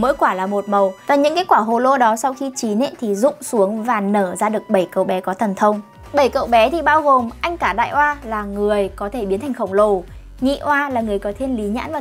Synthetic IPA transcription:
mo̰˧˥jkwaː˧˩laː˨˩mo˨˩t̚mə˨˩wvaː˨˩ɲɨ̰˧˥ŋka˨˦kwaː˧˩ɦo˨˩lo˧ɗɔ˨˦sa˧wxi˧t͡ɕi˨˦nḛ˧˨nt̪ʰi˨˩zʊ̰˧˨ŋ͡msu˨˦əŋvaː˨˩nəː˧˩zaː˧ɗɨ˨˩ək̚ɓə˧˩jkə̰˧˨wɓɛ˨˦kɔ˨˦t̪ʰə˨˩nt̪ʰə˧wŋ͡m | ɓə˧˩jkə̰˧˨wɓɛ˨˦t̪ʰi˨˩ɓaː˧wɣo˨˩mʔa˧jŋ̟kaː˧˩ɗa̰ː˧˨jʔwaː˧laː˨˩ŋɨ˨˩əjkɔ˨˦t̪ʰe˧˩ɓi˨˦nt̪ʰa˨˩ŋxə˧˩wŋ͡mlo˨˩ | ŋḭ˧˨ʔwaː˧laː˨˩ŋɨ˨˩əjkɔ˨˦t̪ʰe˧nli˨˦ɲa̰ː˧˥nvaː˨˩

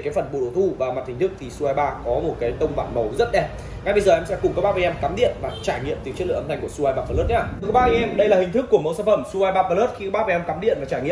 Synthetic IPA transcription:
kaː˨˦fə˨˩nɓo̰˧˨ɗo˨˦wt̪ʰu˧vaː˨˩ma˨˩t̚hi˨˩ŋ̟t̪ɨ˦˥k̚t̪ʰi˨˩su˧aː˧jɓaː˧kɔ˨˦mo˨˩t̚kaː˨˦jt̪ə˧wŋ͡mva̰ː˧˨nmə˨˦wzə˦˥t̚ɗɛ˨˧˩ | ŋa˨˦jɓə˧jzəː˨˩ʔɛ˧msɛ˧˥kʊ˨˩ŋ͡mk̚ːɓaː˦˥va˧ʔɛ˧mkaː˨˦mɗḭ˧˨ənvaː˨˩t͡ɕaː˧˩jŋḭ˧˨əmt̪i˨˩kt͡ɕə˦˥l̰t̪ʰa˨˩ŋ̟ku˧˩əsu˧ʔaː˧jɓaː˧˩paː˧˩lə˦˥t̚ɲaaː˧˩˨kə˦˥ɓaː˦˥vjʔɛ˧mɗə˧jlaː˨˩hï̟˨˩t̪ʰɨ˦˥kːu˧˩əmə˨˦wsaː˧˩nfə˧˩msu˧aː˧jɓaː˧˩paː˧ləː˦˥t̚xi˧kːɓaː˦˥va˧˩ʔɛ˧mkaː˨˦mɗḭ˧˨ənvaː˨˩t͡ɕaː˧jŋḭ˧˨ə˨

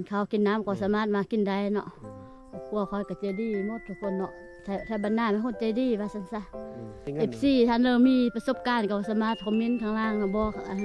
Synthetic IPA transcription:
nkʰa˧˩wki˧˨nːa˧˥˨mkʰa˧˩˨saː˧˨maː˧˩t̪̚ma˧˥ki˧˨nda˧˨jnɔ̰˧˨ʔ | kʰu˧˨ə˨kʰɔ˧˩jka˧˩t͡ɕa˧˨diː˧˩˨mo˧˥˦t̪̚ʰːu˧kʰo˧˨nːɔ˧˨ʔ | t̪ʰa˧˩t̪ʰaː˧˩ba˨˧˨nːaː˧˨ma˧˨ko˧˨nt͡ɕa˧˨jdiː˧˨waː˧˩sa˧˨nsa˧˨ | e˧˩p̚siː˧˨t̪ʰa˧˨nlɤː˧wmiː˧˥˨pa˧so˧˥p̚kaː˧˨nka˧˩bsaː˧˦maː˧˥˩t̪̚kʰɔ˧˨mi˧˥˨nkʰaː˧˨ŋlaː˧˨ŋa˧bɔː˧˦kʰa˧ʔa˧˨

